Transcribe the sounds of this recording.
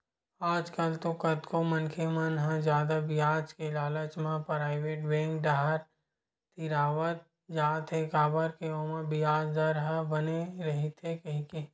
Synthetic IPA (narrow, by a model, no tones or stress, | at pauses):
aːd͡ʒkəlt̪okɐd̪komɐnkʰemɐnɦə̃zjaːd̪abɪjaːt͡ʃkelaːlət͡ʃmãpɾaːɪʋeːʈbẽːŋɡɖaːɦəɾ | t̪iɾaːʋət̪̚ | d͡ʒaːt̪ʰekaːbəɾkeomə̃bɪjaːd͡ʒd̪əɾɦəbɐneɾɐɦit̪ʰekɐɦĩke